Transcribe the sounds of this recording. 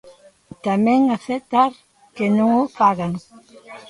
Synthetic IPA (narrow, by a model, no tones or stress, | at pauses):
t̪amẽŋaθet̪aɾ | kenõŋofaɣaŋ